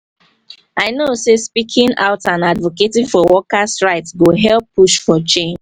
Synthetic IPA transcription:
aɪnosespikʰɪ̃ŋaʊtãnadvoketĩfɔwɔkastɹaɪtsɡoɦɛlpːuʃfɔt͡ʃẽn

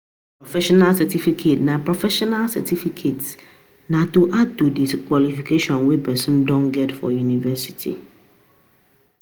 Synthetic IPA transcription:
pɾɔfɛʃɔnalsɛtifikʰetnãpɾɔfɛʃɔnalsɛ̰tʰifikʰet | nãtoʔatodiskalifikʰeʃiɔ̃nwebɛsɪ̃ndɔ̃ŋɡɛtfɔ̰junivɛsi̥tʰḭ

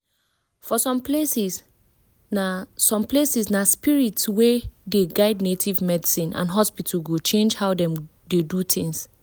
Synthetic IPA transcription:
fɔsɔ̃mplesis | nasɔ̃mplesisnaspiɹitswɛdeɡaɪdnetʰivmɛdisĩnã̰nɦɔspitʰalɡot͡ʃẽnd͡ʒhaʊdɛ̃m | dedut̪ʰɪ̃ŋs

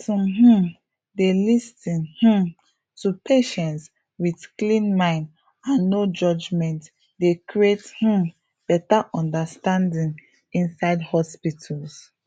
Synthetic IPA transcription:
tɔ̃mɦũ | delistĩnhũ | tupʰeʃɛ̃nts | wiθklĩnmãɪ̃n | ãnːod͡ʒɔd͡ʒmɛ̃nt | dekɹiethũ | b̥ɛtaʔɔ̃ndastãndĩŋ | ĩnsaɪdhɔspitʰals

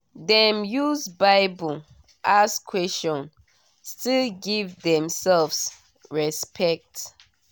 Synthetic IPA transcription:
dɛ̃mjuzbaɪbə | ʔaskʰwɛst͡ʃɔ̃n | stilɡivdɛ̃msɛlvs | ɹɛspʰɛk̚t

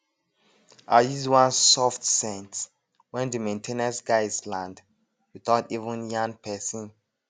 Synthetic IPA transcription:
ʔajizwãnsɔftsɛ̃nt | wɛ̃ndəmẽntʰẽnəsɡaɪslãnd | wiθaʊtivũnjãŋpʰɛsĩn

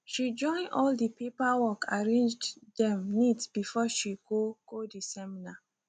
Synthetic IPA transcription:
ʃid͡ʒɔ̃ɪ̃nɔldipepawɔkʰaɹẽnd͡ʒddɛ̃mnitb̥ifɔʃiɡoɡ̥odisɛmina

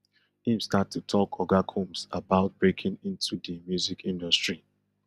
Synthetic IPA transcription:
ĩmstatʰːutʰɔkʰɔɡakʰũmsabaʊt̚b̥ɹekʰɪ̃ŋĩntʰudəmjuzikʰĩndɔstɹi

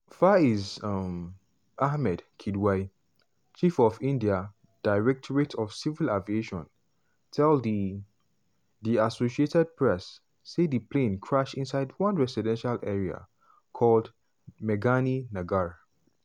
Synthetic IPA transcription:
faizam | ahmɛdkʰidwaɪ | t͡ʃifɔvĩndia | d̥aɪɹɛk̚tʰɔɹitʰɔvsivilavieʃɔ̃n | tʰɛldi | diasoʃietɛd̚pʰɹɛsː | edipʰlẽnkʰɹaʃĩnsaɪdwãnɹɛsidɛ̃nʃalʔɛɹia̰ | kʰɔld | mɛɡaninaɡaɹ

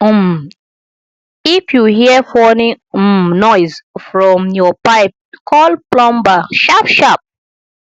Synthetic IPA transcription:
m | ifjuhiəfɔnĩ | mnɔɪzfɹɔ̃mjɔpaɪp̚kʰɔlplɔ̃mbaʃafʃap̚

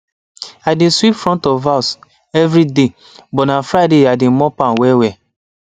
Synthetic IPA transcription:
adẽswipfɹɔ̃ntɔvaʊs | ɛvɾide | bɔnafɾaɪdeadẽmɔpãnwɛwɛ

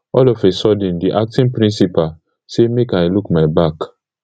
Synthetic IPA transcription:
ɔlɔfesɔdĩndiʔak̚tĩnpɾĩnsipa | semekaɪlukmaɪbak

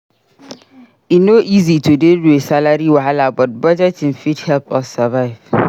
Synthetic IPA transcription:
inoʔizitʰudeduesalaɾiwaalabɔt̚bɔd͡ʒɛtɪ̃nfidhɛlpʰɔsavaɪv̥

